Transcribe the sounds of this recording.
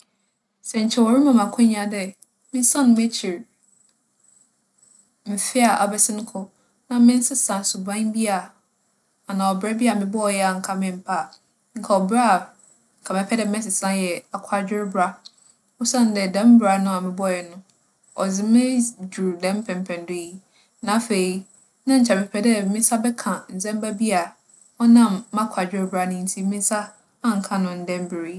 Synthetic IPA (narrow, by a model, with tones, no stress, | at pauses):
sɛ˨ɲ̩˨t͡ɕʰɛ˦˨wɔ˨ɾɪ̃˦mã˨mã˨kʰʊ̃˦ɲ˦ã˨dɛ˦ | mɪ̃˦sã˦nʊ̃˨m˦e˦t͡ɕʰɪ˨ɾ | m̩˨fɪ˦a˨ʔa˨bɛ˦sɪ˦nʊ̃˦kʰʊ˦ | nã˦mɪ̃˦n̩˦sɪ˦sã˨sʊ˨bã˦bi˦a˨ | a˨nã˨ɔ˨bɾɛ˦bi˦a˨mɪ̃˨bɔ˦ɔ˨jɛ˦a˨ŋ̩˨kʰa˦mɪ̃˦˨m̩˨pʰa˦˨ | ŋ̩˨kʰɛ˨ɔ˨bɾa˦˨ | kʰa˨mɛ̃˨pʰɛ˦dɛ˨m˦ɛ̃˦sɪ˨sã˦jɛ˨a˨kʷʰa˨d͡ʑᶣɪ˦ɾbɾa˦ | ʊ˦sã˦n˦dɛ˨dɛ̃˦m˦bɾa˨nʊ̃˦a˨mɪ̃˨bɔ˦˨jɛ˨nʊ̃˦ | ɔ̰˨d͡zɪ˨mɪ̃˦d͡ʑu˨dɛ̃˦m˦pʰɛ̃˨m˨pʰɛ̃˨n˨dʊ˦i˦˨ | nã˨˦˨fe˨i˨˦ | nã˦ɲ̩˨t͡ɕʰa˨mɪ̃˨pʰɛ˦dɛ˦mɪ̃˦sa˦bɛ˦kʰã˨n̩˨zɛ̃˦m˦ba˦bi˦a˨ | ɔ˦nã˦˨mːã˦kʷʰa˨d͡ʑᶣɪ˦ɾbɾa˨nʊ̃˦n̩˨tʰi˦mĩ˦sa˦ | a˦˨ŋ̩˨kʰã˨nʊ̃˨n̩˨dɛ̃˦mbɪ˨ɾi˦